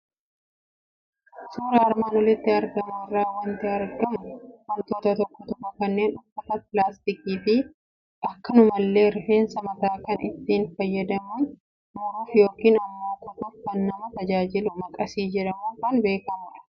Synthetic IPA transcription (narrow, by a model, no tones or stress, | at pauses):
suːɾɐːɾmɐnɔlɪt̪ːɪɐɾɡɐmɐɪrːaːwɐnt̪ɪɐɾɡɐmʊmɔnt̪oːt̪ɐt̪ɔkːɔt̪ɔkːɔkɐnːe̞ːnɔfɐt̪ɐpɪlaːst̪ɪkiːfɪ | ɐkːɐnʊmɐlːe̞ːɾɪfe̞ːnsɐmɐt̪aːkɐnɪt̪ːiːnfɐjːɐd̪ɐmun | mɐɾuːfjo̞ːkiːnɐmːaːt̪ɐt̪ʊfkɐnːɐmɐt̪ɐd͡ʒaːd͡ʒɪlʊmɐkʼɐsiːd͡ʒɛᶑɐmuːkɐnbe̞ːkɐmʊᶑɐ̥